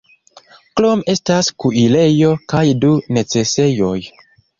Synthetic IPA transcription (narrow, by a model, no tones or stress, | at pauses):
klome̞staskuile̞jo̞kajdune̞t͡se̞se̞jo̞j